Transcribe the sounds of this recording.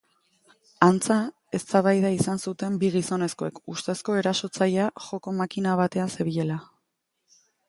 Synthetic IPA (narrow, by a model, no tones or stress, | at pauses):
ant͡sa | e̞st̪aβajð̞aisansut̪e̞mbiɣiso̞ne̞sko̞e̞̰kust̪e̞sko̞e̞ɾaso̞t͡saʎeaʝo̞ko̞makinaβ̞at̪e̞ase̞βiʎe̞la